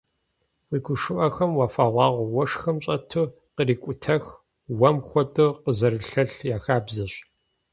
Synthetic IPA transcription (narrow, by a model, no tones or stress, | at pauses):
wiːkʷʊʂɨʔɐxɐmwafaːʁʷɑːʁʷwɔʂxɐmɕʼɐtʰɨ | qəriːkʷʼʊtʰɐx | wɐmxʷɔtʼɨqəzɐɾɨɬɐɬjaːxaːbzɐɕ